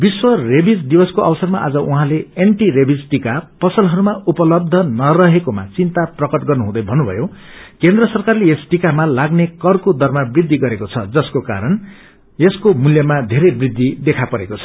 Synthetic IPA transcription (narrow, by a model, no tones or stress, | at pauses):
biswʌrebid͡zd̪ibʌskoʔʌbsʌrmaʔa̰d͡zʌʔuɦãleeɳʈiɾebid͡zʈikapʌsʌlɦʌɾumaʔupʌlʌb̚d̪ʱʌnʌrʌɦekoma̰t͡sint̪aprʌkʌʈɡʌrnuɦũd̪ʌjbʱʌnːubʱʌ̰jo | kend̪rʌsʌrkarleesʈikamalaɡnekʌrkod̪ʱʌrmabrid̪ʱːiɡʌɾekot͡sʰʌd͡zʌskoka̰ɾʌn | eskomuljʌmad̪ʱeɾʌjbrid̪ʱːid̪ekʰapʌɾekot͡sʰʌ̥